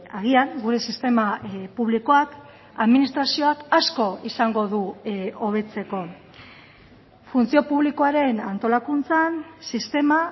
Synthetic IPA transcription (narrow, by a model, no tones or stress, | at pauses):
aɣ̞iaŋɡuɾe̞sist̪e̞mapuβliko̞ak | aðminist̪ɾasio̞akasko̞isaŋɡo̞ðuoβ̞e̞t͡se̞ko̞ | funt͡sio̞puβliko̞aɾe̞nant̪o̞lakunt͡sansist̪e̞ma